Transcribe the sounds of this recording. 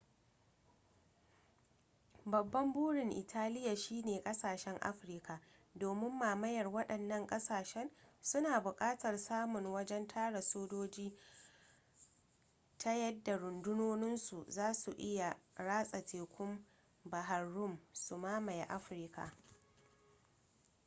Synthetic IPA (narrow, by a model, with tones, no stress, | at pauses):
bɐ˨bːɐ˦mbuː˦ɽɪ˨ŋʔɪ˨tʰaː˦lɪ˦ja˨ʃiː˦neː˨kʼɐ˦saː˨ʃɛ˦ŋʔa̰˦ɸɾɪ˦ka˨ | doː˨mɪ˦mːaː˨mɐ˦jɐ˨rwɐ˦ɗɐ˨nːɐ˦ŋkʼɐ˦saː˨ʃɛ˦nsʊ˦naː˨bʊ˨kʼaː˦tɐ˨rsaː˦mʊ˨ŋwɐ˦d͡ʒɛ˦ntʰaː˦ɽɐ˨soː˦d͡ʒoː˦d͡ʒiː˦ | tʰa˦jɐ˦dːa˨ɾʊ˨ndʊ˦noː˦nɪ˦nsu˨zaː˦su˨ʔɪ˦ja˨ɽaː˦sʼa˨teː˨kʷʊ˦m | ba˨ɦa˨ɽʊ˦˨msu˨maː˦ma˨jʔa̰˦ɸɾɪ˦ka̰˨